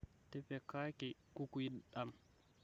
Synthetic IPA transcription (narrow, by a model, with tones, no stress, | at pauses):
tɛpɛkaː˦kɛku˦kuji˦ɗa˨m